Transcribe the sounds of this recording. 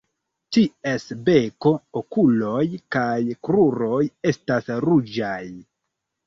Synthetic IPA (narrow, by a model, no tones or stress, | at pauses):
tie̞sbe̞ko̞okulo̞jkajkɾuɾo̞je̞stasɾud͡ʒaj